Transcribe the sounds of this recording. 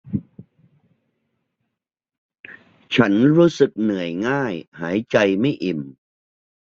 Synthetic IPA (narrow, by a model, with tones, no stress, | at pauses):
t͡ɕʰa˦˥nɾuː˦˥sɯ˨˩k̚nɯ˨˩˦əjŋaː˥˩jhaː˩˦jt͡ɕa˧jma˥˩jʔi˨˩m